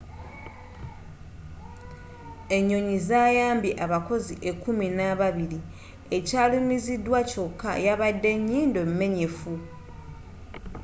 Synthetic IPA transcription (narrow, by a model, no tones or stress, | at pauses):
e̞ɲːo̞ɲizaːjaːmbiʔaβako̞ziʔe̞kuminaβaβiɾi | e̞caːlumizidːwaco̞kːa̰jaβadːe̞ɲːiːndomːe̞ɲe̞fu